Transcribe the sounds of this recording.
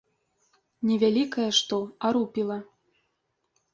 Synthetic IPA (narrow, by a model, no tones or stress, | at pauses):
nʲɛvʲalʲikɐjɐʂt̪ɔaɾupʲilˠɐ